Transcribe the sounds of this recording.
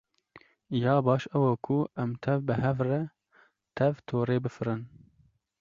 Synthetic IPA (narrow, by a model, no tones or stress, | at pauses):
jɑːbɑːʃɛwokʰuɛmt̪ʰɛvbɨɦɛvrɛ | t̪ʰɛvt̪ʰoːɾeːbɨfɨɾɨn